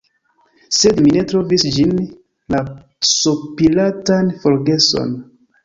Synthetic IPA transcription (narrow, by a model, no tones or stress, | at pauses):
se̞dmine̞tɾo̞visd͡ʒin | la | sopilatanfo̞ɾɡe̞so̞̰n